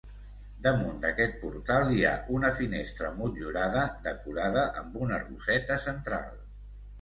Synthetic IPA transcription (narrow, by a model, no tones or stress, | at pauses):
d̪əmund̪əkɛt̪̚puɾt̪alˠia̰ʔunəfinest̪ɾəmuʎuɾaðəd̪əkuɾaðəʔəmbunərṵsɛt̪əsənt̪ɾa̰lˠ